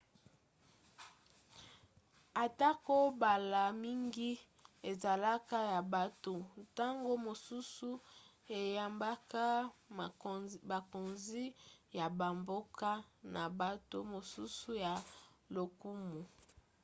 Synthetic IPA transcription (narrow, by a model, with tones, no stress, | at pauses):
a˨ta˦ko˦ba˨la˨mi˦ŋɡi˦ | e˨za˨la˦ka˦ja˨ba˨to˨ta˦ŋɡo˦mo˨su˦su˦ | e˨ja˨mba˦ka˦ | ba˨ko˨nzi˦ja˨ba˨mbo˦ka˦na˨ba˨to̰˦mo˨su˦su˦ja˨lo˨ku˦mu˨